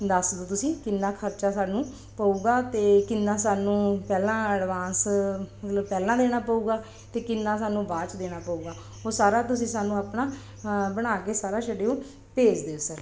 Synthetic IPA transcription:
d̪əsd̪oːt̪ʊsĩːkɪnːaːkʰəɾt͡ʃaːsaːnũː | pəuːɡaːt̪eːkɪnːãːsaːnũːpɛːlãːəɖʋaːnsmət̪ləbpɛːlãːd̪eːɽaːpəuːɡaː | t̪eːkɪnːaːs̬aːnũːbaːt͡ʃd̪eːɽ̃aːpəuːɡaː | ɦoːsaːɾaːt̪ʊsĩːsaːnũːaːpɳaː | bəɽ̃aːkeːsaːɾaːʃəɖeːõː | peːd͡ʒd̪eːoːsəɾ

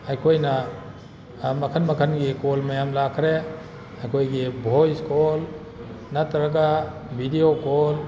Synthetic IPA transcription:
ajkʰojnɐ | mɐkʰənmɐkʰənɡikolmɐjamlakʰɾe | ajkʰojɡibʱojskol | natɐɾaka | bʱidiokol

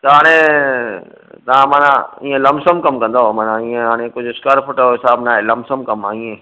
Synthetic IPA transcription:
t̪ɐɦaːɽ̃ẽ | t̪ɐ̤ãmaːnã̰ĩːẽlɐmsəmkɐmkɐ̃nd̪omaːnãĩːẽɦaːɽ̃ẽkʊd͡ʑʱɪskəɾfʰʊʈoɦɪsaːbnaːɦelɐmsəmkɐmaːĩːẽː

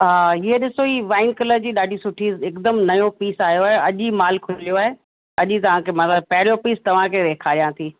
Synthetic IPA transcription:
ɦaːiɦeɗɪsoiːʋaːɪnkɐləɾd͡ʑiːɗaːɖʱisʊʈʰiːzɪkd̪əmnɐjopiːsaːɦjoaːɦeɐʄimaːlkʰʊlijoaːɦe | ɐʄit̪ɐʋ̤ãkʰeːmɐt̪ləb̚pɐɦɪɾijopiːst̪ɐʋ̤ãkʰeɾeːkʰaːɾijãt̪ʰiː

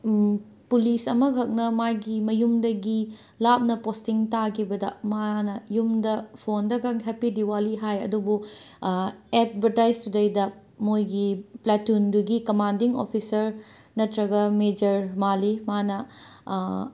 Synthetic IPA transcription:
pulisɐmɐkʰɐk̚nɐmajɡimɐjumdɐɡi | lap̚nɐpostiŋtakʰibɐdɐ̰manɐjumdɐpʰondɐɡɐŋɦepidiwaliɦajɐ̰dubu | etbʱɐɾtajsudɐjdɐ | mojɡiplatunduɡikɐmandiŋo̰pʰisɐɾnɐtɾɐɡɐmed͡ʒɐɾmalimanɐ

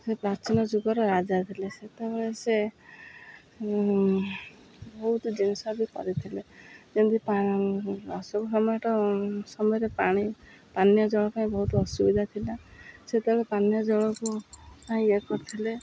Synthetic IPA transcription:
sepɾat͡ʃinɔd͡ʒuɡɔɾɔɾad͡ʒat̪ʰileset̪ebɔɭese | bɔɦut̪d͡ʒinsɔbikɔ̰ɾit̪ʰiled͡ʒend̪ipa | ɔsɔkusɔmɔjɔʈɔsɔmɔjɔɾepaɽ̃i | panjɔd͡ʒɔɭɔpaĩbɔɦut̪ɔsubid̪ʱat̪ʰilaset̪eɔɭepanjɔd͡ʒɔɭɔkupaĩekɔɾt̪ʰile

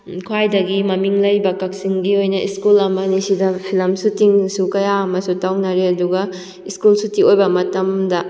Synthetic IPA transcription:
kʰwajdɐɡimɐmiŋlɐjbɐkɐk̚siŋɡiojnɐʔiskulɐmɐnisidɐpʰilɐmsutiŋsukɐjaːmɐsutawnɐɾeɐduɡɐ | iskulsutiojbɐmɐtɐmdɐ

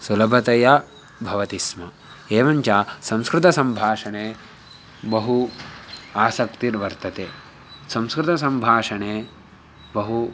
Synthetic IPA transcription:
sulɐbʱɐt̪ɐjɐ | bʱɐʋɐt̪ismɐ | eːʋɐɲt͡ʃaːsɐ̃mskɾɪt̪ɐsɐmbʱaːʂɐneː | bɐɦu | aːsɐkt̪iɾʋɐɾt̪ɐt̪eː | sɐ̃mskɾɪt̪ɐs̬ɐ̃mbʱaːʂɐneː | bɐɦu

